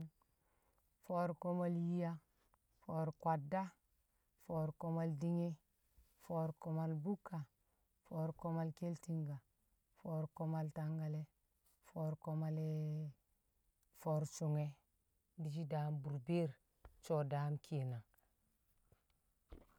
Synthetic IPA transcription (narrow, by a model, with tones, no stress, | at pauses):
fo˦ɾko˦ma˦lji˦ja˦ | fo˦ɾkwa˨dːa˦ | fo˨ɾko˦ma˨ldi˦ŋe˦ | fo˦ɾko˨ma˨lbu˦kːa˨ | fo˦ɾko˦ma˦˨lke˦lti˦ŋɡa˨ | fo˦ɾko˦ma˨lta˦ŋɡa˨le˦ | fo˦ɾko˦ma˦˨le˦ | fo˦ɾt͡ʃu˨ŋe˦ | di˦˨d͡ʒi˦da˨˦mbu˨ɾbe˦ɾ | t͡ʃo˦˨da˦mkʰi˦˨na˨